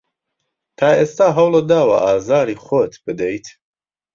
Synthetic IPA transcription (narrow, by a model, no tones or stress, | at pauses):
t̪ʰaːʔeːst̪aːɦɐwled̪aːwɐ̰ʔaːzaːɾiːχot̪b̥ɨd̪ɛjt̪ʰ